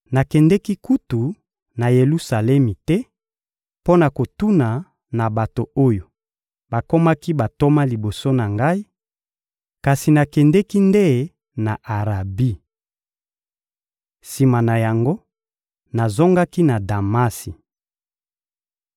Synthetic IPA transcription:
na˨kɛ˨ndɛ˦ki˦ku˦tu˨ | na˨je˨lu˦sa˨lɛ˦mi˨tɛ˦ | po˦na˨ko˨tu˦na˨ | na˨ba˨to˨o˦jo˨ | ba˨ko˦ma˦ki˦ba˨to˦ma˦li˨bo˨so˦na˨ŋɡa˦i˦ | ka˨si˨na˨kɛ˨ndɛ˦ki˦nde˦˨ | na˨ʔa˨ʁa˨bi˦ | si˨ma˨na˨ja˨ŋɡo˦ | na˨zo˦ŋɡa˦ki˦na˨da˨ma˦si˨

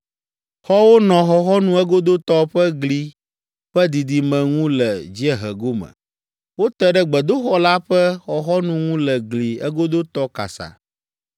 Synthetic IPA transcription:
xɔ˦wo˦nɔ̃˨xɔ˨xɔ˦nũ˦ɛ˦ɡo˦d̪o˦t̪ɔ˦ɸɛ˦ɡli˨ | ɸɛ˦d̪i˨d̪i˨mɛ̃˨ŋũ˦lɛ˨d͡ʑi˦ɛ˨ɦɛ̰˨ɡo˦mə̰̃˨ | wo˦t̪ɛ˦ɖɛ˦ɡ͡bɛ˨d̪o˦xɔ˦la˦ɸɛ˦xɔ˨xɔ˦nũ˦ŋũ˦lɛ˨ɡli˨ɛ̰˦ɡo˦d̪o˦t̪ɔ˦ka̰˨sa̰˨

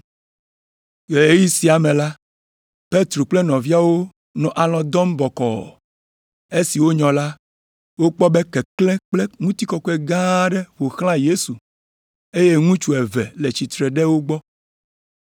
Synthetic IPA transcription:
je˨e˦ji˦si˨a˨mẽ˨la˦ | pe˦t̪ɾo˨k͡plɛ˦nɔ̃˨vi˦a˦wo˦ | nɔ̃˨ʔa˨lɔ̃˨d̪ɔ˦mbɔ˨kɔ̰˨ | e˦si˨wo˦ɲɔ̃˨la˦ | wo˦k͡pɔ˦bɛ˦kɛ˨klɛ˦k͡plɛ˦ŋũ˦t̪i˦kɔ˦kɔ˦ɛ˦ɡã˦ɖɛ˦ɸo˨xl̃ã˦je˦su˨ | e˦je˦ŋũ˦t͡ʃu˨e˨vɛ̰˨le˨t͡ɕi˨t̪ɾɛ˨ɖɛ˦wo˦ɡ͡bɔ˦

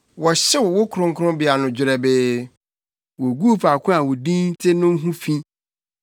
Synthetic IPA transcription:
wɔ˨ɕɛ˦wɔ˨wo˦kʰɾʊ̃˦ŋ̩˦kʰʊ˦ɾʊ̃˦bɪ˨a˨nʊ̃˨d͡ʑɪ˨ɾɛ˨beː˦ | wo˨ɡu˦˨fa˨kʰʊ̃˦a˨wo˨dĩ˦n̩˦tʰɪ˦nʊ̃˦ŋ̩˦ɦũ˦fĩ˦

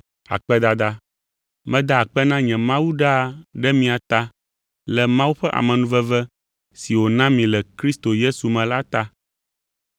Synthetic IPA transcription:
a̰˨k͡pɛ˦d̪a˨d̪a˦ | mɛ̃˦d̪a˦˨k͡pɛ˦nã˦ɲɛ̃˨mã˦wu˦ɖa˦˨ɖɛ˦mĩ˦a˨t̪a˦ | lɛ˨mã˦wu˦ɸɛ˦ʔa̰˨mɛ̃˨nũ˦vɛ˦vɛ˦ | si˨wo˨nã˦mĩ˨lɛ˨kɾi˦st̪o˨je˦su˨mɛ̃˨la˦t̪a˦

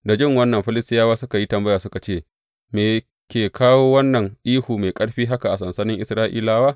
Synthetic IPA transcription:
da˨d͡ʒɪ˦ŋwɐ˦nːɐ˨mɸɪ˦lɪ˦stɪ˦jaː˦waː˦sʊ˦ka˨ji˦tɐ˨mbɐ˦jaː˨sʊ˦ka˨t͡ʃeː˦˨ | meː˨ | kʲeː˨kʰaː˦woː˦wɐ˦nːɐ˨ŋʔiː˦huː˨me˨jkʼɐ˦ɽɸiː˦ɦa˦ka˨ʔa˨sɐ˨nsɐ˦nɪ˦ŋʔɪ˨sɾaː˦ʔḭː˦laː˦waː˦

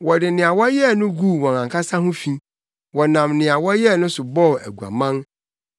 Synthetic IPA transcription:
wɔ˨dɪ˨nɪ̃˨a˨wɔ˦jɛ˦˨nʊ̃˦ɡu˦˨wɔ̃˨nã˨kʰa˦sa˦hʊ̃˦fĩ˦ | wɔ˨nã˨mnɪ̃˨a˨wɔ˦jɛ˦˨nʊ̃˦sʊ˨bɔ˦˨æ̰˨ɡu˨a̰˨mã˦n

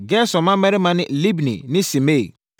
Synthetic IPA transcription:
ɡɛ˦sɔ˨mã˦mɛ˦ɾɪ˦mã˦nɪ̰̃˦li˦bnḭ˨nɪ̃˦si˨me˦˨

